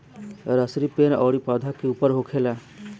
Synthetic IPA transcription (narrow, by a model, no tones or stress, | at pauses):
ɾəsɾipeːnɔːɽipaːd̪ʱakeupəɾɦokʰela